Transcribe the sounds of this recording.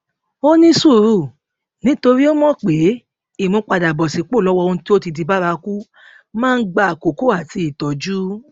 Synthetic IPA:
o˦nĩ˦su˦˨ɾu˦˨ | nĩ˨˦to˧ɾi˦o˦mɔ̃˦k͡pe˨˦ | i˦˨mũ˨˦k͡pa˧da˨bɔ˨si˨˦k͡po˦˨lɔ˨˦wɔ˧õ˧˦ti˦o˦ti˧di˧ba˦ɾa˧ku˦ | mãː˦˧n̩˦ɡ͡ba˧˨a˨ko˨ko˦a˦˨ti˧i˨tɔ˨d͡ʒu˦

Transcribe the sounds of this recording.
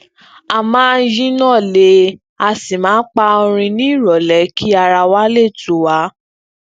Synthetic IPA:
a˨mãː˦jĩ˦nãː˦˨le˧˦ | a˧si˨mãː˨˦k͡pa˧o˧ɾ̃ĩ˧nĩ˦i˦˨ɾɔ˨lɛ˨˦kʰi˦a˧ɾa˧wa˦le˦˨tu˨˦wa˨˦

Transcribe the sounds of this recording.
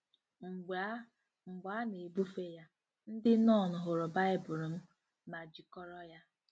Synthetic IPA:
ŋ͡m̩˨ɡ͡ba˨˦ne˨e˨bu˦fe˦ja˦ | n̩˦dɪ˦nɔ˦˨nʊ˨ɦʊ˨ɾʊ˨ba˦ɪ˦bʊ˨ɾʊ˨m̩˦ | ma˨d͡ʒi˨kɔ˦ɾɔ˦ja˦

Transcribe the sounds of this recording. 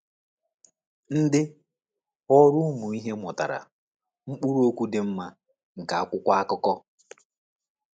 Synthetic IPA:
n̩˦dɪ˦ | ɔ˦ɾʊ˦mu˨i˦ɦe˦mɔ˨ta̰˨ɾa̰˨ | ŋ͡m̩˦k͡pu˦ɾu˦o˦kʷu˦dɪ˨m̩˦ma˦ | ŋ̩˨ka˨a˨kʷʊ˦kʷa˦a˦kʊ˦kɔ˦

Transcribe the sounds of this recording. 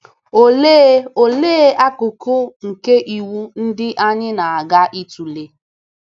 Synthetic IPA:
o˦le˦o˨leː˦a˦kʊ˨kʊ˦ŋ̩˨ke˦ʔi˨wu˦n̩˦dɪ˦ʔa˦ɲɪ˦na˨a˨ɡa˦ʔi˦tu˨le˦

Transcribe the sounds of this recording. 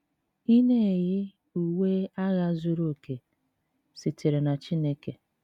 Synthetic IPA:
i˦ne˦e˨ɣɪ˦ | u˨we˦a˦ɣa˦zu˦ɾo˦˨ke˨ | si˨te˨ɾe˨na˨t͡ʃi˦ne˦ke˨

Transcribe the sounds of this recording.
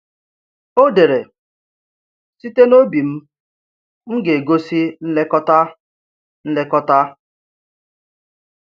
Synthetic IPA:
o˦de˨ɾe˨ | si˦te˦no˦bi˨m̩˦ | ŋ̩˦ɡe˨ɡo˦si˦n̩˦le˦kɔ˦ta˦ | n̩˦le˦kɔ˦ta˦

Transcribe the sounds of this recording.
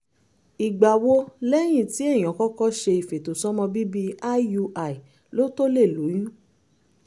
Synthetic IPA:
i˨ɡ͡ba˨wo˦lɛ˦j̃ĩ˦˨ti˨˦ẽ˦˨ɔ̃˨kɔ˦kɔ˦ʃe˧i˨fe˨to˨sɔ˦mɔ̃˧bi˦bi˦a˦ju˧ʔa˨i˨ | lo˦to˦le˦˨lu˨˦jĩ˦

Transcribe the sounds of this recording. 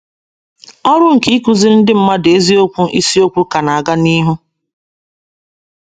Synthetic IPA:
ɔ˦ɾʊ˦ŋ̩˨ki˦i˦ku˨zi˦n̩˦dɪ˦m̩˦ma˦de˦zi˦o˦kʷu˦ʔi˦si˦o˦kʷu˦ka˨na˨a˨ɡa˦ni˦ɦu˦

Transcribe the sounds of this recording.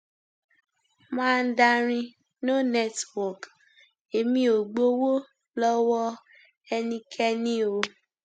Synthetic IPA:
mãː˦˧n̩˦da˧ɾ̃ĩ˧ | no˦nɛ˦twɔ˨k | e˨mĩ˦o˨ɡ͡bo˦wo˦ | lɔ˦wɔ˦ | ɛ˧nĩ˧kʰɛ˦nĩ˦o˧

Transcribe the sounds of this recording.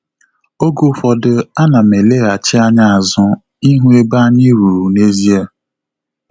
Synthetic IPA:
o˦ɡʊ˦fɔ˨dʊ˦a˦na˨me˨le˦˨a˨t͡ʃɪ˦a˦ɲa˦a˨zʊ˦ | i˦ɦũ˦e˦ba˦ɲɪ˦ɾu˨ɾu˨ne˦zi˦e˦˨

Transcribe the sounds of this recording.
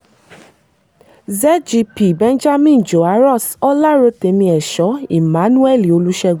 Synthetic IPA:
zɛ˦d͡ʒi˧pi˨bɛ̃˦n˦d͡ʒa˦mĩ˦˨n˨d͡ʒo˨a˨˦ɾɔ˦˨sɔ˦la˦ɾo˧te˨˦mĩ˧ɛ˨ʃɔ˨˦i˨mã˨˦nũ˦ɛ˦˨li˨o˨˧lu˦ʃɛ˧ɡ

